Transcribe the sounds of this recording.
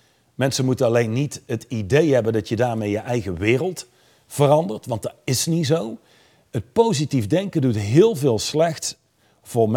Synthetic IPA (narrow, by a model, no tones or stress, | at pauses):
mɛnsənmutənɑlejnːitɦətidejɦɛbəndɑtjədaːɹmejəʔɛjɣəʋɪːrəlˠt | v̥ərɑndəɹtʋɑntdɑtɪsnizow | ət̚powzitivdɛŋkəndutɦɪːlˠvɪːlˠslɛxts | v̥ʊːɹm